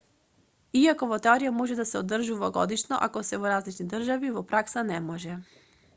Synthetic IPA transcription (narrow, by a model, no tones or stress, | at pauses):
iakovɔt̪ɛɔɾijamɔʒɛd̪asɛod̪ːrʒuvaɡɔ̰d̪iʃnɔ̰ʔa̰kɔsɛvɔɾazlit͡ʃnid̪r̩ʒavivɔpɾaksanɛmɔʒɛ